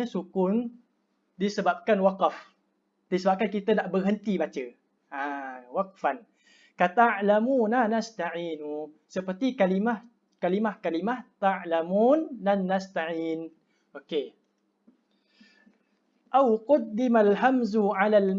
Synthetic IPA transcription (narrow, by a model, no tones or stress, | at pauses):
sukʊn | disəbap̚kanwaqaf | disəbap̚kankit̪anaʔbərɦənt̪ibat͡ʃə | awaq̚fan | kat̪aʕlamunanast̪aʕiːnusəpərt̪ikalimah | kalimahkalimaht̪aʕlamunːanːast̪aʕiːn | ʔoke | ʔawqʊd̪ːimalɦamzuʕalal